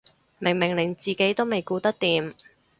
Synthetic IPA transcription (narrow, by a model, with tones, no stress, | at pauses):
mɪ˨˩ŋmɪ˨˩ŋlɪ˨˩ŋt͡siː˨˩ke˨˥jt̪o˥wme˨jkuː˧t̪ɐ˥k̚t̪iː˨m